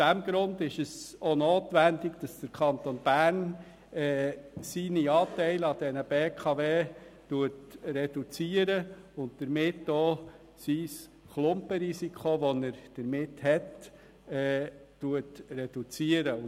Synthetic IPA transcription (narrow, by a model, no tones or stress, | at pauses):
d̥æmɡ̥ɾʊnd̪ɪʃəsonoːt̪ʋændɪɡd̥ɑsd̥əɾkʰɑnt̪onb̥æːn | ɛːsiniɑːt̪ɛɪlɑd̥̪ɛnəb̥eːkʰɑveːtuətrɛd̥ut͡siəɾəʊnt̚d̥əɾmɪtːoː | sis | klʊmpəɾisikχoʋɔnəɾd̥əɾmɪthɛt | ɛː | uətrɛd̥ut͡siəɾəʊ